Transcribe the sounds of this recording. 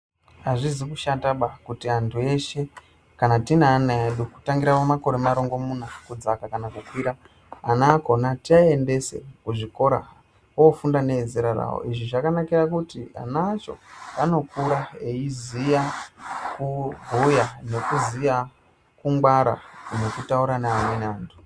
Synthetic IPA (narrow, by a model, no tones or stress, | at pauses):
aʐizikuʃataɓakutiantʰue̞ʃe̞ | kanatinaːnaeɗuku̥taŋɡiɾawomako̞ɾemaɾoŋɡo̞munakud͡zakakanakukwiɾaː | naːko̞natiae̞nde̞se̞̰kuʐiko̞ɾa̰ | ofundane̞zeɾaɾa̰wo̰iʐiʐakanakiɾakutia̰nat͡ʃo̞̰ano̞kuɾaeizijakubʱujane̞kuzija | kuŋɡwaɾa̰ne̞kutauɾanaːnenaːntʰu̥